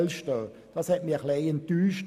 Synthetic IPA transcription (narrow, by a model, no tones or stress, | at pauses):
lʃtø | d̥ɑshɛt̚miɐχleɪɪnt̪yːʃt